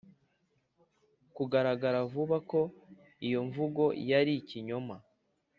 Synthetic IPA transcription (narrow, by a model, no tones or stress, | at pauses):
kuɡaɾaɡaɾavuβako̞ | ijo̞ɱvuɡo̞jaɾiciɲo̞ma